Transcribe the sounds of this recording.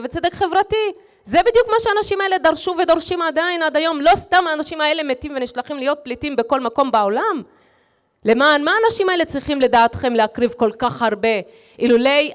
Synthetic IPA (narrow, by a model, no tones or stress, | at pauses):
vet͡sed̪ekχe̞vʁat̪i | zebid̪jukmaʃeanaʃimae̞le̞d̪aʁʃuve̞d̪oʁʃimad̪ainad̪ajo̞mlo̞st̪amaːnaʃimae̞le̞me̞t̪imve̞niʃlaχimlijo̞t̪̚plitimbe̞ko̞lmako̞mbaolam | le̞maːnmaːnaʃimae̞let͡sʁiχimle̞d̪aːt̪χe̞mleakʁivko̞lkaχhaʁbe̞ | ʔilulej